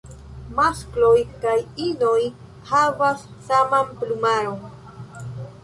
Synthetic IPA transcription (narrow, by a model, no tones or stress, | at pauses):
masklojkajinoj | havasːamamplumaɾoŋ